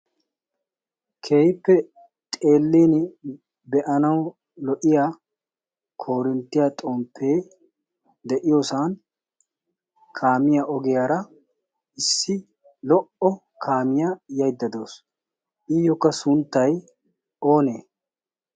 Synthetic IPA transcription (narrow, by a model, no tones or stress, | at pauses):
kʰe̞ːjpːɛ | t̪ʼe̞ːlːiːn | bɛʔɐnɐw | lɔʔɪjaː | kʰo̞ːɾɪnt̪ːɪjat̪ʼɔmpʰːe̞ː | d̪ɛʔɪjoːsaːn | kʰaːmɪjaʔɔɡɛjaːɾɐ | ɪsːɪ | lɔʔɔ | kʰaːmɪjajɐjd̪ːɐd̪o̞ːs | ʔɪjɔkːɐsʊnt̪ːɐj | o̞ːneː